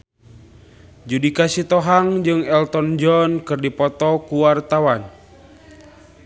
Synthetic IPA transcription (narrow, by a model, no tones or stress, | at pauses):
d͡ʒudikasit̪ɔɦaŋd͡ʒɨŋɛlt̪ɔnd͡ʒɔnkɨrdipɔt̪ɔkuwart̪awan